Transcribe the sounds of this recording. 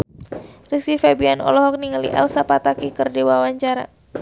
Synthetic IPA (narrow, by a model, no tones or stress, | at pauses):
risifabianɔ̰lɔɦɔk̚niŋəlḭʔɛ̰lsapat̪akikɨrdiwawaɲt͡ʃaɾa̰